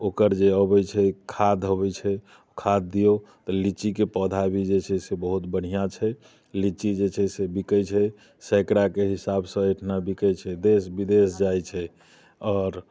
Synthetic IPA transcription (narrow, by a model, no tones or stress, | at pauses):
okəɾd͡ʒeəbɛjt͡ʃʰɛkʰad̪ʱɦəbɛt͡ʃʰɛ | kʰad̪̚ːijot̪ɔlit͡ʃikepəd̪ʱabʱid͡ʒet͡ʃʰɛsebəɦut̪bəɽ̤ijat͡ʃʰɛ | lit͡ʃid͡ʒet͡ʃʰɛsebikəjt͡ʃʰɛ | sɛkɾakeɦisabsə̃eʈʰnabikəjt͡ʃʰɛd̪esbid̪esd͡ʒajt͡ʃʰɛ | ɔːɾ